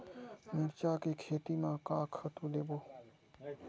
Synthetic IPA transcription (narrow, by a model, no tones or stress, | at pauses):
mɪɾt͡ʃaːkeːkʰeːt̪iːmãːkaːkʰət̪ũːleːboː